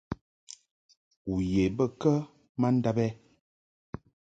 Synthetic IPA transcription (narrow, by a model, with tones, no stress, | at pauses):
u˨je˨bə˦kə˦ | ma˦n̩˦da˦bɛ˦